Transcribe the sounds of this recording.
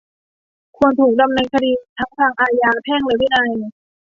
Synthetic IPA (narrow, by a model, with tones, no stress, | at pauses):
kʰu˧ənt̪ʰuː˨˩k̚da˧mnɛː˧ŋkʰa˧diː˧t̪ʰa˦˥ŋt̪ʰaː˧ŋʔaː˧jaː˧p̪ʰɛː˥˩ŋlɯː˧jwi˦˥˩na˧j